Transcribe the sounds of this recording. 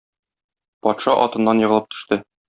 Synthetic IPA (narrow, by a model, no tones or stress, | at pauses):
pɒt̪ʃɑʔɒt̪ɤ̆nːɑnjɤ̆ʁɤlˠɤp̚t̪ʰɵ̥̆ʃt̪ɘ